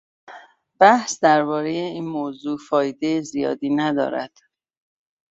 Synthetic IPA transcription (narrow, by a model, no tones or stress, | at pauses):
b̥æhsd̪æɾbɒːɾe̞jeiːnmoːzuːfɒːjed̪e̞jezijɒ̰ːd̪iːnæd̪ɒ̰ːɾæ̰d̪̥